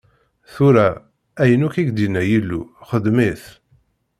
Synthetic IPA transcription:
θuɾæ | æjənukiɡd̪inːæjilːṵχəd̪miθ

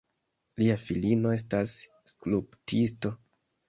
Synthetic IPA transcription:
liafilino̞e̞s̬tasː | kluptisto̞

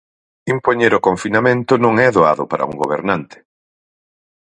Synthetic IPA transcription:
impoɲeɾʊkoɱfinamẽnt̪ʊnõŋɛðoa̰ðʊpaɾʔɐ̰ṵŋɡoβ̞ḛɾnant̪ɪ̥

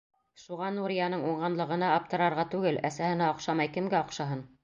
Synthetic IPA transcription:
ʃuʁɑnuɾʲɪjanɤɴuɴʁɑnlˠɤ̆ʁɤ̆nɑːp̚t̪ɤ̆ɾɑɾʁɑt̪ʉɡɘlæsæhɘ̆næɒqʃɑmɑjkɘ̆mɡæoqʃɑɦɤn

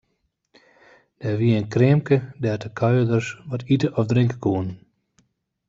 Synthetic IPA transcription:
d̥ɛʋiəənkrɪəmkədɛrtəkʰœjədərsʋɔtʰitəʔɔfdrɪŋkəkʰuən

